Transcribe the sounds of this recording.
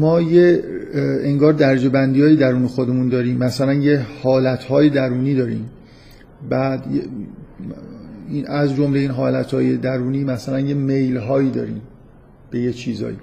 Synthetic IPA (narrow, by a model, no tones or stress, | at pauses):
mɒːje | eŋɡɒːɾd̪æɾd͡ʒe̞bænd̪ijɒːjed̪æɾuːnexod̪e̞mund̪ɒːɾiːmːæsælænjehɒːlæt̪ʰhɒːjed̪æɾuːniːd̪ɒːɾḭːm | bæd̪je | inæzd͡ʒomleiːnɦɒːlæt̪ʰhɒːjed̪æɾuːniːmæsælænje̞mejlɦɒːjiːd̪ɒ̰ːɾḭːm | b̥e̞jet͡ʃʰiːzɒ̰ːjḭː